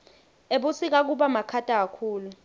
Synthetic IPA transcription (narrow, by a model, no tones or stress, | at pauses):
eɓusik̬ak̬uɓamakʰatʼak̬akʰuːlu